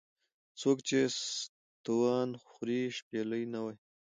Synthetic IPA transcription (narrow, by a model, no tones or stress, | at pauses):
t͡sokt͡ʃes | t̪uwɑːnxɾiʃpeləjnawaj